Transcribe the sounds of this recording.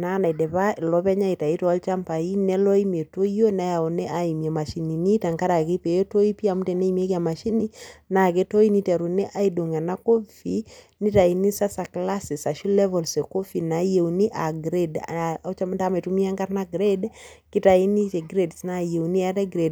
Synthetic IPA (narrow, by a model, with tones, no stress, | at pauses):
na˦na˨i˨dɛ˨βa˦˨lɔ˦pɛ˦ɲa˦i˨ta˨i˦tɔ˨a˦lt͡ʃa˦mpa˨i˦nɛ˦lɔ˦i˦me˨to˦o˦na˦ja˨ɔ˨nɛ˦ʔa˨i˨mja˨ma˨ʃi˨ni˨ni˦ta˨ŋka˦ɾa˨ke˦pe˨je˦to˦i˦pi˦a˨mu˦tɛ˨ne˦i˨m˦e˦ka˨ma˨ʃi˦ni˦na˨ke˦to˦i˦ni˦tɛ˨ɾu˨ne˦ʔa˦ido˨ŋa˨na˦ko˦fi˨˦ | ni˦ta˨i˨ni˦sa˦sa˨kla˦si˨sa˨ʃu˦lɛ˦vɔ˨lse˨ko˦fi˨na˨je˨wni˦ʔa˨ɡɾe˦dt͡ʃata˦me˨tu˦mi˦a˦ŋɡa˦ɾna˦ɡɾe˦d | ki˦ta˨i˦ni˦t͡ʃe˨ɡɾe˦dsna˦je˨uni˦a˦tɛ˦ɡɾe˨d